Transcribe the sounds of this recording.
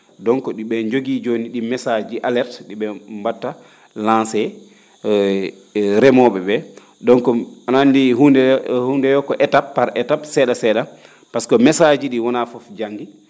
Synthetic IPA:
dɔŋkɔɗiɓɛɲd͡ʒoɡid͡ʒoniɗimɛsad͡ʒiʔalɛɾtɗiɓɛmbatːa | lãnsɛ | ɾɛmɔɓɛɓɛ | dɔnkɔanandihundɛhundɛjɔkɔʔɛtapːaɾɛtabsɛɗasɛːɗa | paskɔmɛsad͡ʒiɗiwɔnafɔfd͡ʒaŋɡi

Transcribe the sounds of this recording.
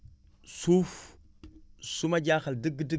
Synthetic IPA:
suf | sumad͡ʒaxaldiɡdi

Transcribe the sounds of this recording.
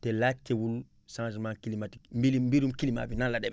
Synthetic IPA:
tɛlatʰːewul | sãnd͡ʒmankilimati̥mbiimbiɾumkilima̰binalːadɛb

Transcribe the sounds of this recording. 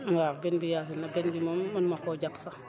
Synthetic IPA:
ŋɡabinbijas̬inabinbimamunmakod͡ʒapsa

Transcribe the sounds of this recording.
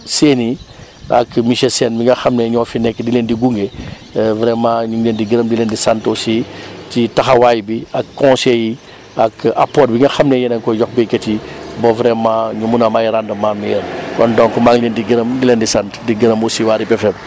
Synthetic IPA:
seːni | ɐ̰kmiʃɛlsɛnmiŋɡɐxɐmnɛɲɔfinɛkːdileːndiɡuŋɡe | vɾɛmãːɲuŋlendiɡəɾɐmdileːndisantosititɐxɐwajbiɐkːɔ̃sɛji | ɐkapːɔːtbiŋɡɐxɐmnɛjɛnɐŋkɔjɔxbɛkɐtibɔvɾɛmãɲumunɐmajiɾandɐmːaːmːijɛnkɔndɔŋkmaŋlendiɡiɾɐmdilendisantdiɡəɾəmosiwaːɾipɛfɛm

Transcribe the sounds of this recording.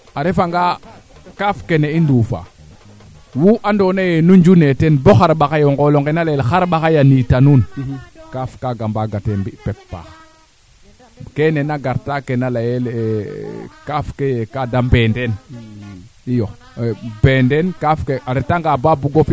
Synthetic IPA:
aɾefaŋɡa | kafkeneinduːfa̰ | wuʔandonajenuɲd͡ʒunetenboxaɾɓaxajoŋɡoloŋkenalajɛlxaɾɓaxajanitanunkafkaɡambaɡatembipɛpːa̰ːx | kenenaɡaɾtakenalajel | kafkejekadambenden | ijo | bendɛnkafkeʔaɾetaŋɡababuɡofi

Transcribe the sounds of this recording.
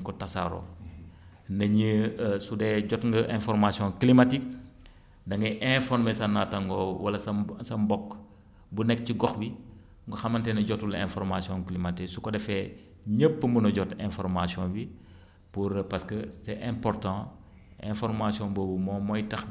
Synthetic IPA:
kɔtɐsa̰ɾɔ̰ | nɐɲisudɛɟɔtŋɡɐʔɛ̃fɔɾmasijɔ̃klimatik̚ | dɐŋɡɐʔɛ̃fɔrmɛsɐnːatɐŋɡɔwɐlɐsɐsɐmbɔkː | bunɛk̚ciɡɔxbi | ŋɡɔxɐmɐntɛnɐɟɔtulɛ̰̃nfɔɾmasjɔ̃ŋklimatiksukɔdɛfɛ | ɲəpːəmbunɐɟɔtɛ̃fɔɾmasjɔ̃bi | puɾpɐskəsɛʔɛ̃mpɔɾtɑ̃ | ɛ̰̃fɔɾmasiɔ̃boːbəmɔːmɔjtɐx

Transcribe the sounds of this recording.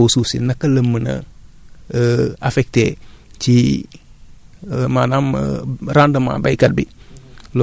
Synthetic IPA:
ususḭnɐkɐləmːənɐ̰ | afɛk̚tet͡ʃi | manam̰ɾandəma̰bajkat̚bil

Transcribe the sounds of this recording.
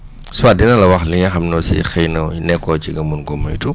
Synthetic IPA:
suwadɛnɐlɐwɐxliɲɐxɐmnɔsḭxɛjnɐnɛkːɔt͡ʃiɡɐmunɡɔmːɐjtu

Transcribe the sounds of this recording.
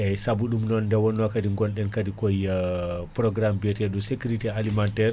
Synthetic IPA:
ɛsabuɗumnɔndɛwɔnːwakadiŋɡɔnɗɛnkadikɔjpɾɔɡɾambɛtɛɗɔsekuɾitialimantɛɾ

